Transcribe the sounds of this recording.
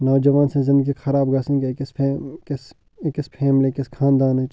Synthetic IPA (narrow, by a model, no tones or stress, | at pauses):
naːd͡ʒɐʋaːnsẽzɪ̃nd̪əɡiexʰɐɾaːbɡɐsĩŋkekɪspʰːkes | kɪspʰɛːmlekɪskʰãːnd̪aːnet͡ʃ